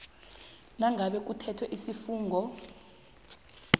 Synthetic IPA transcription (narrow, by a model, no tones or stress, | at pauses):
naŋʱaɓɛk̬ʼutʰɛtʰwɛʔisifuːŋɡʱɔ